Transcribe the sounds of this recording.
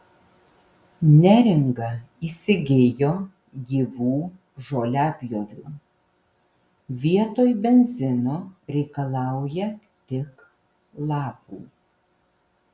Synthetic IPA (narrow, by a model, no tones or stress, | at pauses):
nʲæɾʲɪŋɡɐ | iːsʲɪɡʲeːjoː | ɡʲiːʋuː | ʒoːlʲɑːpʲjoːɾʲuː | ʋʲiɛt̪oːjbʲɛnʲzʲɪnoːɾʲɛɪkɐlˠɑˑʊjɛ | t̪ʲɪk | lˠɑːpuː